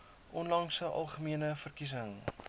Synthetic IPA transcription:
ʔɔnlɐŋsəʔɐ̰lˠχəmiənəfərkis̬əŋ

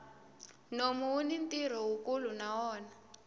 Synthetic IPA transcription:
nomuwunintiɾ̤ɔwukulunawɔːna

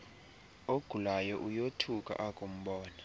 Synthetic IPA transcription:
oɡ̥ʱulajɔʔujotʰukʼa̰ʔakʼum̩ɓɔːna

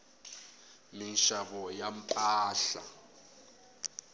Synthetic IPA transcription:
minʃaβɔjam̩pʼaːɬa̰

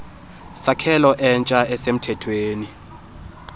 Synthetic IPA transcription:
sakʰɛlɔʔɛnt͡ʃʼaɛsem̩tʰɛtʰweːni

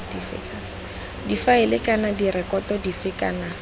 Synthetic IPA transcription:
difɪ̰k | difaɪlɪkʼanadirɛkʼɔtɔdifɪkʼana

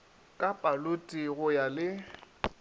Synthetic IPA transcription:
kʼapʼalotʼiɣʊjalɪ

